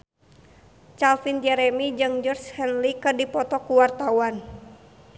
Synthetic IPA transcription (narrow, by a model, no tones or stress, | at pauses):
t͡ʃalfind͡ʒɛɾɛmid͡ʒɨŋd͡ʒərshɛnlikɨrdipɔt̪ɔkuwart̪awan